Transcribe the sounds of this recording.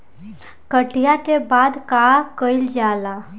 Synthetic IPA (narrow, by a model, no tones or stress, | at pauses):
kəʈijaʈ̪ebad̪kakəild͡ʑala